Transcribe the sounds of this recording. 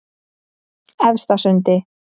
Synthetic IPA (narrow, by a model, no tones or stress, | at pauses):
ɛvst̪asʏnt̪ɪ